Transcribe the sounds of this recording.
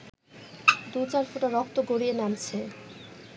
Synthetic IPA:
d̪ut͡ɕaɾfuʈaɾɔkt̪oɡoɾienamt͡ɕʰe

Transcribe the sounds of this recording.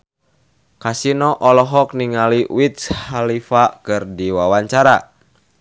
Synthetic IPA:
kasinɔʔɔlɔɦɔk̚niŋaliwit̪̚shalifakɨrdiwawaɲt͡ʃaɾa

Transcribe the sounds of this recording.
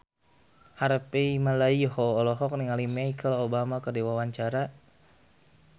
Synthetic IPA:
haɾpeimalaihɔːlɔɦɔk̚niŋalimɛikʰəlobamakərdiwawaɲt͡ʃaɾa

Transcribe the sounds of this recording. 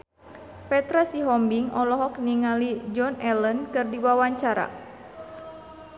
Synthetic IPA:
pɛt̪ɾasiɦɔmbiŋɔlɔɦɔk̚niŋalid͡ʒɔnɛlənkɨrdiwawaɲt͡ʃaɾa̰

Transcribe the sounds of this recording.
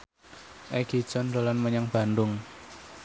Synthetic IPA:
ʔɛɡ̥id̥ʒ̥ɔndolanməɲaŋb̥a̤ndʊŋ

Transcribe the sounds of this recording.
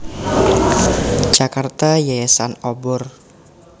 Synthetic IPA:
d͡ʒakart̪ajaasanɔbɔr

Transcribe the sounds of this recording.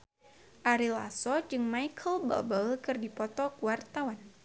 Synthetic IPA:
ʔaɾila̰sɔd͡ʒɨŋmajkʰəlbə̰lbəlkɨrdipɔt̪ɔkəwart̪awan

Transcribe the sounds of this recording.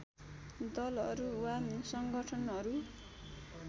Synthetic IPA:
d̪ʌlʌɾuwanisʌŋɡʌʈʰʌnɦʌɾu

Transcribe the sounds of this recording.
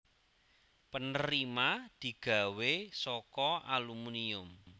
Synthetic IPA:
pənəɾimad̪̥i̤ɡ̥a̤wesɔkɔʔalumuniʊm

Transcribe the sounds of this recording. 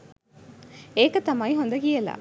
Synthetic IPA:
eːkːɐt̪ɐmːaːjɦɔnd̪ɐkijɐla̰

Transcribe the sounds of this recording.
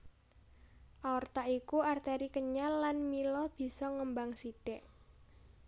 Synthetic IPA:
ʔaɔrt̪aikuart̪ɛɾikəɲalːanmilɔb̥i̤sɔŋəmbaŋsiɖ̥ɛʔ

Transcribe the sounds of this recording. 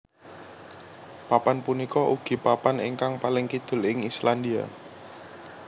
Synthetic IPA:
papanpunikɔʔuɡ̥i̤papanḭŋkaŋpalɪŋkid̪̥ʊ̤lɪŋislandia̰

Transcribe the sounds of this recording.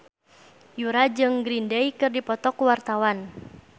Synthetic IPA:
juɾad͡ʒɨŋɡɾindɛjkɨrdipɔt̪ɔkuwart̪awan

